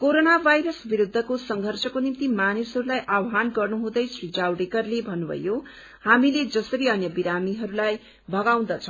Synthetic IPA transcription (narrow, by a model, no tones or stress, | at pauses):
koɾonabʱajɾʌsbiɾud̪ʱːʌkosʌŋɡʱʌrsʌkonimt̪imanisɦʌɾulajʔawɦanɡʌrnuɦũd̪ʌjsrid͡zawɖekʌrlebʱʌnːubʱʌ̰jo | hamiled͡zʌsʌɾiʌnjʌbiɾamiɦʌɾulaj | bʱʌɡaw̃d̪ʌt͡sʰʌ